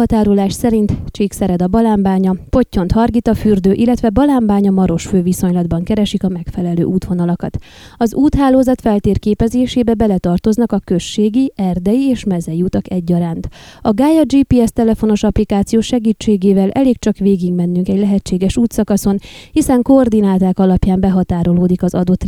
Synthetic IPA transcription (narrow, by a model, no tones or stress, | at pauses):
ɒt̪aːɾolaːʃsɛɾint̪t͡ʃiːksɛɾɛd̪ɒbɒlaːmbaːɲɒpo̞cːo̞nt̪hɒrɡit̪ɒfyrd̪øːʔilːɛt̪ʋɛbɒlaːmbaːɲɒmɒɾo̞ʃføːviso̞ɲlɒd̪bɒŋkɛɾɛʃikɒmɛkfɛlɛlø̰ːʔuːt̪ʋo̞nɒlɒkɒt̪ | ɒzuːt̪ɦaːloːzɒt̪fɛlt̪eːrkeːpɛzeːʃeːbɛbɛlɛt̪ɒrt̪o̞znɒkɒkø̞ʃːeːɡiʔɛrd̪ɛjieːʃmɛzɛjuːt̪ɒkɛɟːɒɾaːnt̪ɒɡaːjɛd͡ʒiːpiːɛst̪ɛlɛfo̞no̞ʃɒplikaːt̪sijoːʃɛɡiːt͡ʃːeːɡeːvɛlʔɛleːkt͡ʃɒkʋeːɡiɡmɛnːyŋkɛɟlɛɦɛt͡ʃːeːɡɛʃuːt̪sɒkɒso̞nhisɛŋkoːrd̪inaːt̪aːkɒlɒpjaːmbɛɦɒt̪aːɾo̞loːd̪ikɒzɒd̪o̞t̪